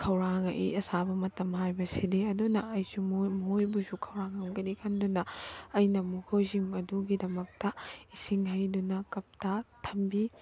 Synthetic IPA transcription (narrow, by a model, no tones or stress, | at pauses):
kʰɐwɾaŋɐ̰ʔḭɐsabɐmɐtɐmɦajbɐsideɐdunɐɐjsumojbusukʰɐwɾaŋɐmɡɐnikʰɐndunɐɐjnɐmukʰowzimɐduɡidɐmɐk̚tɐisiŋɦɐjdunɐkɐp̚tɐtʰɐmbi